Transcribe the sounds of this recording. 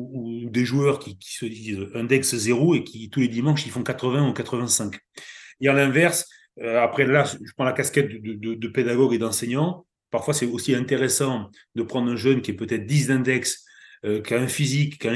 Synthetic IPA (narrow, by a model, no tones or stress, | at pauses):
uuːd̪eʒuœʁkʲikʲi̥səd̪izɛ̃d̪ɛkszeʁoekʲʰit̪uled̪imɑ̃ʃifɔ̃kat̪χəvɛ̃ukat̪χəvɛ̃sɛ̃k | eãlɛ̃vɛʁs | øapχɛlaʒəpχɑ̃lakaskɛt̪̚d̪əd̪əd̪əd̪əped̪aɡɔɡed̪ɑ̃sɛɲɑ̃ | paʁfwasɛosiɛ̃t̪eʁesɑ̃ | d̪əpχɑ̃d̪ʁɛ̃ʒœnkʲiɛpøt̪ɛt̪χd̪izd̪ɛ̃d̪ɛks | økʲaɛ̃fizikːã